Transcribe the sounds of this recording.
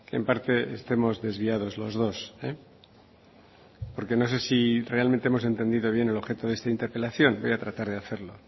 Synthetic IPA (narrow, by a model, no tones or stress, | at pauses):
keempaɾt̪e̞est̪e̞mo̞zðe̞zβiað̞o̞zlo̞zð̞o̞se | po̞ɾke̞no̞s̬e̞sire̞almẽnt̪eemo̞s̬e̞nt̪e̞nd̪iðo̞β̞je̞nelo̞βxe̞t̪oðe̞st̪aint̪e̞ɾpe̞laθjo̞nbo̞jat̪ɾat̪aɾð̞e̞aθe̞ɾlo̞